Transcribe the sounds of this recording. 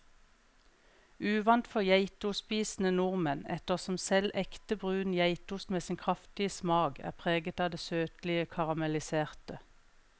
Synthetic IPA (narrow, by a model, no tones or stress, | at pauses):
ʉːʋɑnt̪fɔʁjæɪt̪ʊspiːsn̩ənʊʁmənɛ̰t̪əʁsɔmsɛlʔɛkt̪əbʁʉːnjæɪt̪ʊsmeːsɪːnkʰʁɑft̪ɪəsmɑːɡæ̰ːpʰʁeːɡət̪ɑːd̪eːsøːt̪lɪəkʰɑʁɑmɛlɪseːʁt̪ə